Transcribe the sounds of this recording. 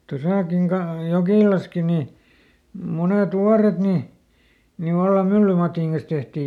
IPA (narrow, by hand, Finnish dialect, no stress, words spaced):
tosɑˑkiŋ kɑ jokiˑlɑski ni muneˑt wuɑret ni ni ʋɑlːɑm mylːymɑtiˑŋ kɑn̞s tehtiː